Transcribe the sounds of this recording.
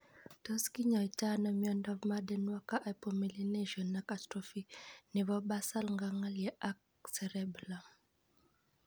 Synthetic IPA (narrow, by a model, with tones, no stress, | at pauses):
to˦ski˦ɲa˨i˨ta˦na˨˦mjɔ˦ndɔ˦vma˦dɛ˦nwa˦ka˦ʔa˨po˨mi˨li˦ne˦ʒɔ˨nːa˦ka˨tɾo˦fi˦ne˨vɔ˦ba˦sa˦lŋɡa˦ŋa˦ljɛ˨ʔa˦k̚ | se˨ɾɛ˦bla˨